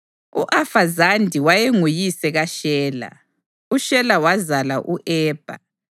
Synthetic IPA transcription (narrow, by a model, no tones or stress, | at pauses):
ṵʔafazandʱiwajeŋujisɛɣaʃɛːla̰ | uʃɛlawazalaʔuʔɛːb̥ʱa̰